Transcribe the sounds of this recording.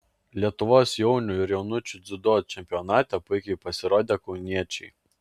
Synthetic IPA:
lʲiɛt̪ʊʋoːsjɛʊnʲʊɪɾjɛʊnʊt͡ʃʲud̪zʲʊd̪oːt͡ʃʲɛmʲpʲijɔnɑːt̪ʲɛpʊɪkʲɛɪpɐsʲɪɾoːd̪ʲeːkɒʊnʲiɛt͡ʃʲɛɪ

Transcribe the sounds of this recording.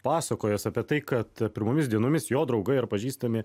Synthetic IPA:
pɑːsɐkoːjoːsɐpʲiɛt̪ɐɪkɐt̪pʲɪɾmoːmʲɪsd̪ʲiɛnoːmʲɪsjoːd̪ɾɒʊɡɐɪɪɾpɐʒʲiːst̪ɐmʲɪ

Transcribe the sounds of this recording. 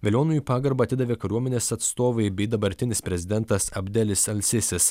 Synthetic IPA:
ʋʲelʲoːnujiːpɑːɡɐɾbɐɐt̪ʲɪd̪ɐʋʲeːkɐɾʲuɔmʲɛnʲeːsɐt̪st̪oːʋɐɪbʲɛɪd̪ɐbɐɾʲt̪ʲɪnʲɪspʲɾʲɛzʲɪd̪ʲɛnt̪ɐsɐbʲd̪ʲɛlʲɪsɐlʲsʲɪsʲɪs

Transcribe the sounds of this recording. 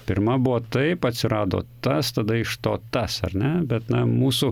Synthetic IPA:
pʲɪɾmɐbuʋoːt̪ɐɪpɐt̪ʲsʲɪɾɑːd̪o̰ːt̪ɐst̪ɐd̪ɐɪʃt̪oːt̪ɐsɐ̰rnʲɛbʲɛt̪nɐmuːsʊ

